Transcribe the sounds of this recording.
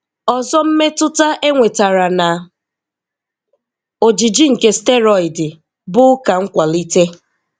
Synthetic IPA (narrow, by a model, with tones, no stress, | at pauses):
ɔ˨zɔ˦m̩˦me˦tʊ˦ta˦ʔe˦ŋʷe˨ta˨ɾa˨na˨ | o˨d͡ʒi˨d͡ʒi˦ŋ̩˨ke˦ste˦ɾɔ˨ɪ˨dɪ˨ | bʊ˦ka˨ŋ̩˦kʷa˨li˦te˦